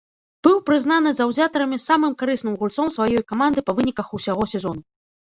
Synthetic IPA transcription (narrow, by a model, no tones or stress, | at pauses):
b̥ɨwpɾɨznanɨzɐwzʲat̪ɐɾɐmʲisamɨmkaɾɨsnɨmɣulʲt̪sɔmsvajɔjkamand̪ɨpɐvɨnʲikɐxusʲaɣɔsʲɛzɔnu